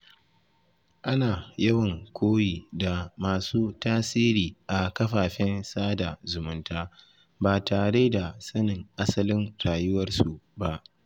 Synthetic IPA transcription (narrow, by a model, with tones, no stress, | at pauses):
ʔa˦naː˨jɐ˦wɐ˨ŋkʷʰoː˦jiː˨da˨maː˨suː˦taː˦siː˦ɾiː˨ʔa˨kɐ˦ɸaː˨ɸɪ˦nsaː˦da˨zʊ˨mʊ˦ntaː˦ | baː˨taː˨ɽe˦da˨sɐ˦nɪ˨ŋʔa˦sɐ˦lɪ˦nɾaː˨jʊ˦wɐ˦rsu˨ba˦ʔ